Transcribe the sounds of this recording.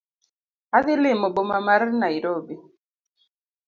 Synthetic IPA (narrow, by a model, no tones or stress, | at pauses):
aðɪlɪmɔbomamaɾnaiɾobi